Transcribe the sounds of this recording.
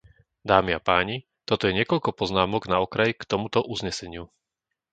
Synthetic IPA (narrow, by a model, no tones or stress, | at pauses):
d̪aːmiapaːɲi | t̪ɔt̪ɔjɛɲɪɛkɔʎkɔpɔznaːmɔɡnaɔkɾajkt̪ɔmut̪ɔʔuzɲɛsɛɲɪu